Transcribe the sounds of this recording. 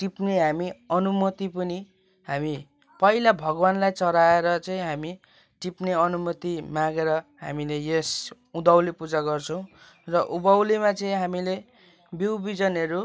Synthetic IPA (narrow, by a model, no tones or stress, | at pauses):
ʈipneɦamiʌnumʌt̪ipʌni | ɦami | pʌilabʱʌɡʌwanlajt͡sʌɾaeɾʌt͡sʌĩɦami | ʈipneʌnumʌt̪imãɡeɾʌɦamilejes | ud̪awlepud͡zaɡʌrt͡sʰʌw̃ | rʌʔubʌwlimat͡sʌĩɦamile | biwbid͡zʌnʌɾu